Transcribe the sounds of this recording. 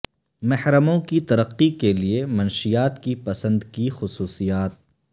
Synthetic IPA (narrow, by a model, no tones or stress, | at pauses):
mɐhɾəmõkit̪ɐɾəqːikeliemɐnʃijaːt̪kipɐsə̃nd̪kixʊsuːsijaːt̪̚